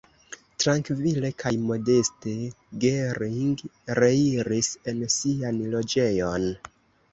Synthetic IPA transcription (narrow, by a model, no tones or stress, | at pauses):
tɾaŋkvile̞kʰajmo̞de̞ste̞ | ɡeɾiŋɡɾeiɾise̞nsianlo̞d͡ʒe̞jon